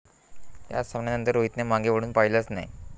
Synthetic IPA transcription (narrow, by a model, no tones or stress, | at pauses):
ja̰səmɳjanənt̪əɾoɦit̪nemãŋɡeʋəɽuːnpaɦiləsna̰i